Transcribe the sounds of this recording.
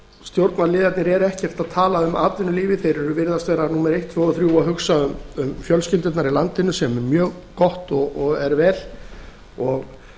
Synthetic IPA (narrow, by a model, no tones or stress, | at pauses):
st̪jowɾt̪nalɪːðat̪nɪɾɛɾɛhcɛr̥t̪aðt̪ʰaːlaʏmaːt̪vɪnʏliːvɪθejɾɛɾʏvɪɾðast̪vɛːɾanuːmɛɾejht̪ʰvœːɔθɾjuːaɦʏksaʏmʏmfjœlscɪlt̪ʏt̪naɾilant̪ɪnʏsɛmɛmjœːɣkɔht̪ɔɣɔɣɛɾvɛːl | ɔɣ